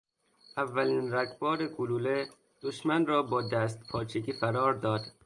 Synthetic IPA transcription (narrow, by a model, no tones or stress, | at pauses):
ʔævːæliːnɾækʰbɒːɾeɡuluːle | d̪̥oʃmænrɒːbɒːd̪æːst̪pʰɒːt͡ʃʰekiːfæɾɒːɾd̪ɒːd̪̥